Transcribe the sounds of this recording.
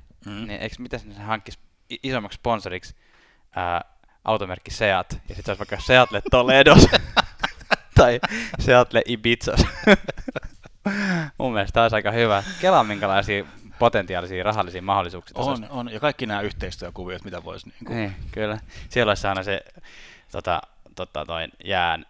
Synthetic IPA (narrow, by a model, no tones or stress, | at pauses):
niːʔḛiksmit̪æsnesehɑŋkːis | isomːɑksponsoriks | əː | ʔɑ̰wt̪omerkːiseɑt̪jɑsit̪seoˑlsʋɑikːɑseɑt̪let̪ːoledos | t̪ɑiseɑt̪leʔibit̪sɑs | mṵmːielst̪æolisɑikɑhyʋækelɑmiŋkælɑisiːpot̪ent̪iɑˑlisiːrɑɦɑlːisiːmɑholːˑisuːksi̥ːt̪ononjɑkɑikːinæːyht̪eist̪yøkuʋiot̪mit̪æʋo̰isniːŋkuniːkylːæsielːolʲisɑinɑse | t̪ot̪ɑ̰t̪ot̪ːɑ̰no̰injæːn